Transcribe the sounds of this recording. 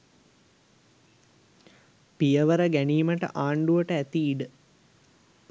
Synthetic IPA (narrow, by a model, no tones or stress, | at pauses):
pijəʋəɾəɡæniːməʈə̰ʔaːɳɖuʋəʈəæt̪iːɖə